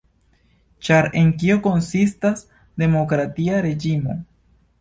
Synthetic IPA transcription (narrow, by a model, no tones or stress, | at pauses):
t͡ʃaɾe̞ŋkio̞ko̞nsistas | de̞mo̞kɾatiaɾe̞d͡ʒimo̰